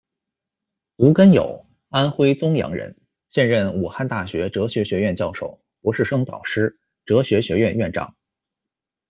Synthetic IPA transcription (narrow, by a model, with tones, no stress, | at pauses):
t̪u˧˥kə˥njo̰˨˩ʊ | a˥nxwe˥ɪt͡sʊ˥ŋjɑ̰˧˥ŋɻə̰˧˥n | ɕjɛ˥˧nɻə˥˩nu˨˩xa˥˧nt̪a˥˩ɕɥɛ˧˥ʈ͡ʂɤ˧˥ɕɥɛ˧˥ɕɥɛ˧˥ɥɛ˥˧nt͡ɕjɑ˥˧ʊʂo˥˩ʊ | pwɔ˧˥ʂɻ̩˥˩ʂɤ˥ŋt̪ɑ̰˨˩ʊʂɻ̩˥ | ʈ͡ʂɤ˧˥ɕɥɛ˧˥ɕɥɛ˧˥ɥɛ˥˧nɥɛ˥˧nʈ͡ʂɑ̰˥˩˦ŋ